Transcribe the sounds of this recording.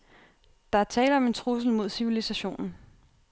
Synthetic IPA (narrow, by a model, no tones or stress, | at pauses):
d̥ɑ̈æɐt͡sʰɛ̰ːləɒ̽me̝nt͡sʰʁus̬l̩mo̝ð̞̰ˠsiʋilisæɕo̝̰ːnn̩